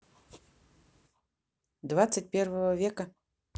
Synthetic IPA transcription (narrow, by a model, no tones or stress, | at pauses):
d̪vat̪sɐtʲpʲɛrvɐvɐvʲɛkɐ